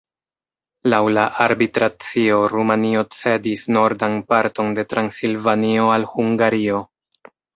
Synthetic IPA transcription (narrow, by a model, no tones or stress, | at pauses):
lawlaʔaɾbitɾat͡sio̞ɾumanio̞t͡se̞disno̞ɾdanpaɾto̞nde̞tɾansilvanio̞alhuŋɡaɾio̞